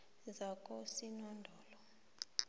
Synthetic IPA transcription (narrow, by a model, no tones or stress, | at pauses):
zakʼɔsinɔndʱɔːlɔ